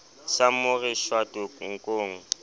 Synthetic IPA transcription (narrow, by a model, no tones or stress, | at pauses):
samʊrɪʃwatʊŋ̩kʼoːŋ̩